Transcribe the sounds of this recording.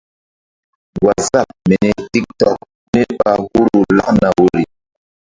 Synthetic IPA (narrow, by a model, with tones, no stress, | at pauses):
ɡwa˨za˦˨p̚mɛ˨nɛ˨ti˦k̚tɔ˦˨k̚ | ne˦ɓa˦hu˦ɾu˨la˦na˨wo˦ɾi˨